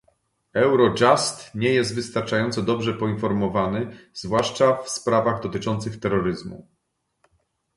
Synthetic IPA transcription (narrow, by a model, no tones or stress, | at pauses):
ɛwɾɔd͡ʐast̪ɲɛjɛzd̪vɘst̪aɾt͡ʂajɔnt̪sɔd̪ɔbʐɛpɔinfɔɾmɔvanɘzvwaʂt͡ʂafspɾavaɣd̪ɔt̪ɘt͡ʂɔnt̪sɘxt̪ɛɾːɔɾɘzmṵ